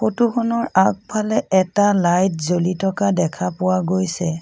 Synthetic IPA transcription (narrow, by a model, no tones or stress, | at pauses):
xotuxʰɔnɔɹak̚pʰalɛɛtalajt̚zolitɔkadɛkʰapʊwaɡojsɛ